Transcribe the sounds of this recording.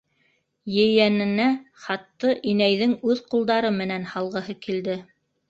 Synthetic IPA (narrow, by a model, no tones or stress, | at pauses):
jɘ̆jænɘ̆næχɑt̪ːɤʔinæjðɘŋʉðqulˠd̪ɑɾɤmɘ̆nænhɑlˠʁɤ̆hɤkild̪ɘ